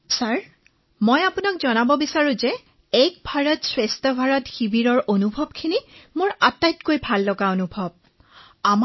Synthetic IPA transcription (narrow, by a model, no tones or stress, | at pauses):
saɹ | mojapunakzɔnabɔbisaɹũzɛ | ɛk̚bʱaɹɔtswestɔbʱaɹɔtxibiɹɔɹʔonubʱɔb̚kʰinimʊɹatajtkojbʱalːɔɡaonubʱɔb̚ | am